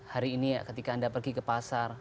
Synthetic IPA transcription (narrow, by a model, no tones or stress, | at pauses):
haɾiːnija̰kət̪ikaːndapərɡikəpasar